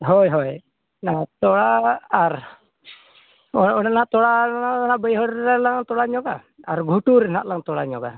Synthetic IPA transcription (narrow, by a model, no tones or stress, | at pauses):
ɦɔjɦɔj | nat̪ɔlaaɾ | ɔɔnanat̪ɔɽaanaʔbəjɦɔɾɛlaŋt̪ɔɽaɲɔɡa | aɾɡʱuʈuɾɛnaʔlaŋt̪ɔɽaɲɔɡa̰